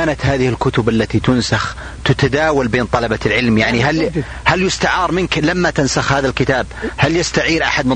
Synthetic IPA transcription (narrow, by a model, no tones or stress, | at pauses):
aːnat̪haːðɪhɪlkʊt̪ʊbʔalːat̪it̪ʊnsax | t̪ʊt̪ad̪aːwalbeːnt̪ˤɑlɑbalʕɪlmjaʕniɦal | haljʊst̪aʕɑːɾˤmɪnklamːat̪ansaxhaːðalkɪt̪aːb̚haljast̪aʕiːɾʔa̰ħad̪mɪ